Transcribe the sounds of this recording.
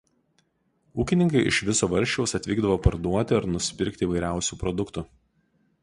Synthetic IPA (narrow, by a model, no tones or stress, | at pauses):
uːkʲɪnʲɪŋkɐɪʔɪ̰ʃʋʲɪsoːʋɐɾʲʃʲt͡ʃʲɛʊsɐt̪ʲʋʲiːɡd̪ɐʋoːpɐɾd̪uɔt̪ʲɪɐɾnʊsʲpʲɪɾʲkʲt̪ʲɪiːʋɐɪɾʲæˑʊsʲuːpɾɔd̪ʊkt̪u